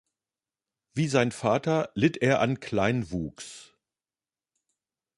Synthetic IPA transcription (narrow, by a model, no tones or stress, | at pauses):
viːzaɪnfaːtɐlɪteːɐʔankʰl̥aɪnvuːks